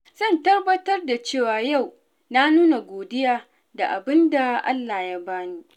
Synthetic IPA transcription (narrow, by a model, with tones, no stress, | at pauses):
z̥ɐ˦˨ntɐ˦rbɐ˦tɐ˦rda˨t͡ʃeː˦˨waː˨ja˦˨w | na˦nuː˦na˨ɡʷoː˨dɪ˦jaː˦ | da˨ʔa̰˨bɪ˦nda˨ʔa̰˦lːa˨ja˦baː˦niː˦